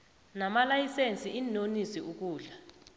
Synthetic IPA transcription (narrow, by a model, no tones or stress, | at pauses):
namalajisent͡sʼiʔinonisiuk̬uːɮa